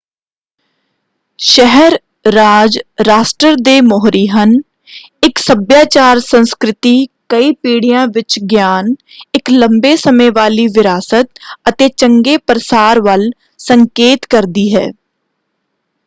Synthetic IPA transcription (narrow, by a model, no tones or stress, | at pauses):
ʃɛɦəɾ | ɾaːd͡ʒɾaːsʈəɾd̪eːmɔːɦɾiːɦən | ɪksəbjaːt͡ʃaːɾsə̃nskɾɪt̪iːkəiːpiːɽɪjãːʋɪt͡ʃɡjaːn | ɪklə̃mbeːsəməjʋaːliːʋɪɾaːsət̪̚ət̪eːt͡ʃəŋɡeːpɾəsaːɾʋəl | səŋkeːt̪kəɾd̪iːɦɛ̰ː